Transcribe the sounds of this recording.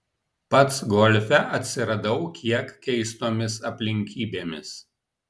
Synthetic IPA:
pɐt̪sɡɔlʲfʲɛʔɐt̪ʲsʲɪɾɐd̪ɐʊkʲʰiɛkkʲɛɪst̪oːmʲɪsɐpʲlʲɪŋʲkʲiːbʲeːmʲɪs

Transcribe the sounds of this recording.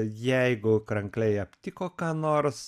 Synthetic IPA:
jɛɪɡʊkɾɐŋklʲɛɪɐpʲt̪ʲɪkoːkɑːnoːrs

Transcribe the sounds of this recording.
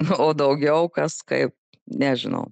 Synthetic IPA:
oːd̪ɐʊɡʲɛʊkɐskɐ̰ɪp̚ | nʲæʒʲɪnɐ̰ʊ

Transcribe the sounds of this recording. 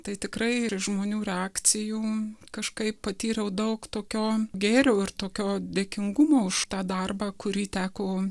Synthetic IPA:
t̪ɐɪt̪ʲɪkrɐɪʒmoːnʲuːɾʲɛɑːk̪t͡sʲɪjuːkɐʃkɐɪppɐt̪ʲiːɾʲɛʊd̪ɐʊkt̪oːkʲoːɡʲeːɾʲɛʊɪrt̪oːkʲoːd̪ʲeːkʲɪŋɡʊmoːʊʃt̪ɑːd̪ɐrbɑːkʊɾʲiːt̪ʲæːkoː

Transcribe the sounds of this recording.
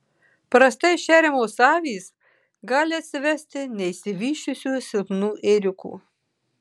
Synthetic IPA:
pɾɐst̪ɐɪʃʲæːɾʲɛmoːsɑːʋʲiːs | ɡɑːlʲɪɐt̪ʲsʲɪʋʲɛsʲt̪ʲɪnʲɛɪsʲɪʋʲiːʃʲʊsʲuːsʲɪlpnuːʔeːɾʲɪkṵː

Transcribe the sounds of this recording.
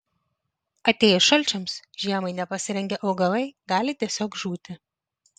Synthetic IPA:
ɐt̪ʲeːjɛʃɐlʲt͡ʃʲɛmsʒʲiɛmɐɪnʲɛpɐsʲɪɾʲɛŋʲɡʲɛʔɒʊɡɐlˠɐɪɡɑːlʲɪt̪ʲiɛsʲoːkʒuːt̪ʲɪ

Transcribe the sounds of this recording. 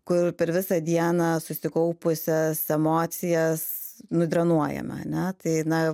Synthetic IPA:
kʊrpʲɛɾʋʲɪsɐd̪ʲiɛnɐsʊsʲɪkɐʊpʊsʲɛsɛmoːt̪sʲɪjɛsnʊd̪ʲɾɐnuɔjɛ̰mɐ̰ɐ̰nʲɛt̪ɐɪnɐ

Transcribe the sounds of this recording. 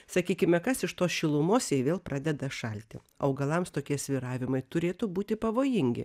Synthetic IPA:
sɐkʲiːkʲɪmʲɛkɐsɪʃt̪oːsʃʲɪlˠʊmoːsjɛɪʋʲeːlˠpɾʔɑːd̪ʲɛd̪ɐʃɐlʲt̪ʲɪ | ɐʊɡɐlˠɐmst̪oːkʲiɛsʲʋʲiɾɑːʋʲɪmɐɪt̪ʊɾʲeːt̪ʊbuːt̪ʲɪpɐʋoːjɪŋʲɡʲɪ̰

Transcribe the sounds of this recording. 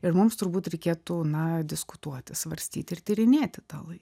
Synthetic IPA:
ɪrmʊmst̪ʊɾbuːt̪ɾʲɛɪkʲeːt̪uːnɐd̪ʲɪskʊt̪uɔt̪ʲɪsʋɐɾʲsʲt̪ʲiːt̪ʲɪrt̪ʲiɾʲɪnʲeːt̪ʲɪt̪ɑːlˠɐɪk

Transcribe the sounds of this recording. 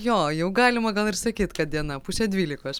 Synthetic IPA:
joːjɛʊɡɑːlʲɪmɐɡɐlˠɪrsɐkʲiːt̪kɐt̪̚d̪ʲiɛnɐpuːsʲɛd̪ʲʋʲiːlʲɪkoːs

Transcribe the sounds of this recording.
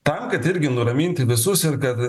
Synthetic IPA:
t̪ɐmkɐt̪ɪɾʲɡʲɪnʊɾɐmʲiːnʲt̪ʲɪʋʲɪsʊsɪɾkɐt̪

